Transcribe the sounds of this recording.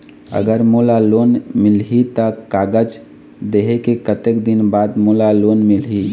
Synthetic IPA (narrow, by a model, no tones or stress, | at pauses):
ə̰ɡəɾmolaloːnmɪlɦit̪əkaːɡəd͡ʒ | d̪eɦekekət̪ekd̪ɪnbaːd̪molaloːnmɪlɦi